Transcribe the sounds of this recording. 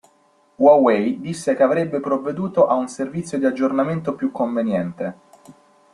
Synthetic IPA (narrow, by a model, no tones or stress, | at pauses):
wawejd̪isːekeavɾebːepɾovːed̪uːt̪oʔaunservit̪sːjod̪iad͡ʒːornament̪opjukːoɱvenjɛnt̪e